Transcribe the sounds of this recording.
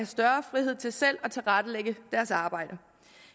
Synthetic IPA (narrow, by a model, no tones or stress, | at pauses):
æsd̥ɶɐfʁiɦe̝ð̞̰ˠt͡sʰe̝lsel̰ɒ̽t͡sʰe̝lʁad̥əleɡ̥əd̥æɐsɑ̈ːb̥ɑ̈ɪ̰d̥ə